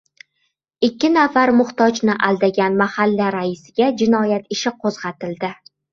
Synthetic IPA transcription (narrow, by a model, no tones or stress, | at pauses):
ɪkʲʰːɪnafaɾmʊχt̪ɒd͡ʒnɪʔald̪aɡʲanmahalːaɾaɪsɪɡʲad͡ʒɪnɒjat̪ɪʃɪqʰozʁɑt̪ɪld̪ɪ